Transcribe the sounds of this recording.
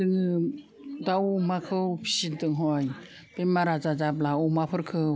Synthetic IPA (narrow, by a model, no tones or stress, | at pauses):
dɯŋɯ | daumakʰɯwpʰi̥sindɯŋɦɔj | b̥emaɾazad͡ʒablaumapʰɯɾkʰɯ